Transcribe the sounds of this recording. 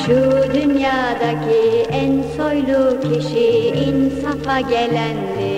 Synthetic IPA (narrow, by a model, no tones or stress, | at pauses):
ʃud̪ynjaːd̪acʰiænsojlˠucʰiʃiinsafaɟelʲænd̪ɪ